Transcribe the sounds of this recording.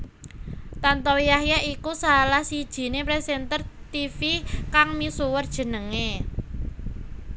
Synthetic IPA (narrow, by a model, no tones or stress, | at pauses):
t̪ant̪ɔjahjaʔikusalahsid̥ʒ̥i̤nepɾesɛnt̪ərt̪ifikaŋmisuwərd̥ʒ̥ə̤nəŋe